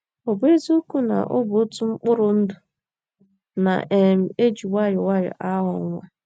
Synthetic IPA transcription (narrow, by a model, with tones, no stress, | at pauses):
o˨be˦zu˦ku˦na̰˨ʔʊ˦bo˦tu˦ŋ͡m̩˦k͡pʊ˦ɾʊ˨n̩˦dʊ˨ | na̰˨ʔe˨m̩˨e˦d͡ʒi˨wa˦ɾɪ˨wa˦ɾɪ̰˨ʔa˦ɦʊ̰˨ŋŋʷa̰˦